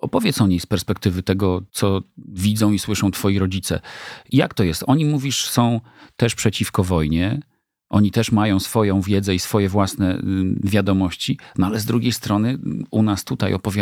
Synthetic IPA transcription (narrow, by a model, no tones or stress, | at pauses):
ɔpɔvʲjɛt̪sɔɲejspɛɾspɛkt̪ɘvɘt̪ɛɡɔt̪sɔvʲidzɔ̃w̃iswɘʂɔ̃w̃t̪fɔjiɾɔd͡ʑit̪sɛ̰jakt̪ɔjɛst̪ɔɲimuvʲiʂsɔ̃w̃ | t̪ɛʂpʂɛt͡ɕifkɔvɔjɲɛ | ʔɔɲit̪ɛʂmajɔ̃w̃sfɔjɔ̃w̃vʲjɛd̪zɛisfɔjɛvwasnɛ̰vʲjad̪ɔmɔɕt͡ɕinɔalɛzd̪ɾuɡʲejst̪ɾɔnɘunast̪ut̪ajɔpɔvʲja